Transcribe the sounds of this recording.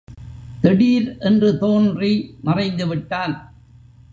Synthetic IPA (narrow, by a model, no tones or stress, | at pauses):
t̪ɛɽiːɾʔɛndrɯt̪oːndrimɐrɐɪnd̪ɯʋɪʈːaːl